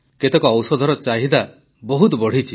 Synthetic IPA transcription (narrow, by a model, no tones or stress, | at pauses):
ket̪ekɔːwsɔd̪ʱɔɾɔt͡ʃaɦid̪a | bɔɦut̪bɔɽ̤it͡ʃʰi